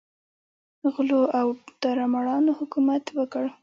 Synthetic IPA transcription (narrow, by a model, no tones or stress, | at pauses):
ɣloawd̪̥aɾamaɽɑnohʊkumat̪wəkəɽ